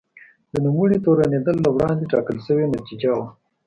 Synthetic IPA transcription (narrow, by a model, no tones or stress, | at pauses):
d̪ənumuɽit̪oɾaned̪əlːawɽɑnd̪eʈɑkəlʃəwenat̪id͡ʒawa